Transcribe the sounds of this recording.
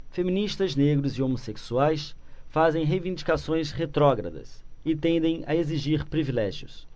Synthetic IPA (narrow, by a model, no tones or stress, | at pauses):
femĩniʃt̪ɐzneɡɾʊzɪomoseksuajsfazẽj̃ɦejvĩnd͡ʒikasõj̃sχet̪ɾɔɡɾɐ̰d̪ɐ̰sɪt̪ẽnd̪ẽj̃ɐ̰eziʒiɾpɾivilɛʒiʊ̰s